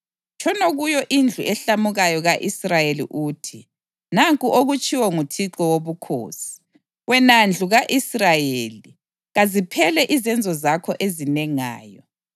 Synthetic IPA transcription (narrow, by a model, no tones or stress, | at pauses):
t͡ʃʰɔnoɣujɔʔind͡ɮʱuʔɛɬamuɣajɔɣaʔisrajelḭʔuːtʰi | naŋkʼuʔoɣut͡ʃʼiwɔŋutʰiǁɔwoβukʰo̰ːsi̥ | wɛnand͡ɮʱuɣaʔisrajeli | ɣazipʰɛlɛʔizɛnd͡zʱɔzakʰɔʔezinɛŋa̰ːjɔ